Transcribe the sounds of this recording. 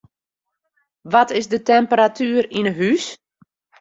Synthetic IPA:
ʋɔtɪzdətɛmpəɾatʰyːəɾinəɦys

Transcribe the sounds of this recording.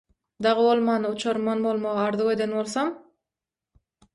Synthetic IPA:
d̪ɑʁɯβo̞lˠmɑːnɯut͡ʃʰoɾmɑnbo̞lˠmoʁɑɑɾðuqe̞d̪enbo̞lˠθom

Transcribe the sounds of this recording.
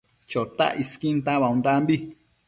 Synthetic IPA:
t͡ʃot̪a̰ʔʔiskint̪aβaũnd̪ambi

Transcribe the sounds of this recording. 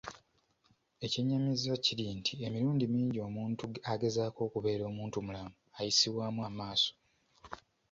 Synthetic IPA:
e̞ciɲːamizaciɾintʰiemiɾuːndimiːɲɟio̞ːmuːntuaɡe̞zaːko̞ːkuβe̞ːɾo̞ːmuːntumulamuajisiβwaːmuamaːso̥

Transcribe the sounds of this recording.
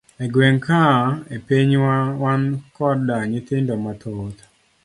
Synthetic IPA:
eɡwɛŋkaepeɲwawankɔdaŋɪt̪ɪndomat̪ʰɔt̪

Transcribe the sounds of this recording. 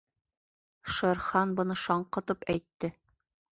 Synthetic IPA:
ʃɤ̆ɾχɑnbɤ̆nɤʃɒɴqɤ̆t̪ɤpæjt̪ːɘ

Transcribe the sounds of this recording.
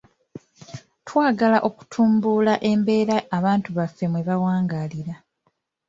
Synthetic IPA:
twaːɡalaʔo̞ku̥tʰuːmbuːlaʔe̞mbe̞ːɾaːβaːntuβafːe̞mweβawaːŋɡaliɾa

